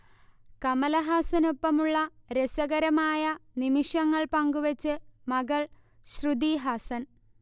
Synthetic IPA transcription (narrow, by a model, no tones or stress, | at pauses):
kɐmɐlɐɦaːsɐnopːɐmuɭːɐɾesɐɣɐɾɐmaːjɐnimiʂɐŋːɐɭpɐŋɡuʋɐt͡ɕːɨmɐɡɐɭ | ɕrud̪iːɦaːsɐn